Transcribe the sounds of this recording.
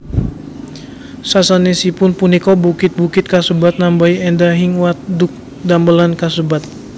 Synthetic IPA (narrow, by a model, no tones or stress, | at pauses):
sasanesipʊnpunikɔbukɪt̪̚bukɪt̪̚kasubat̪̚nambaiɛndaɦiŋwat̪̚dʊk̚ | dambəlankasubat̪̚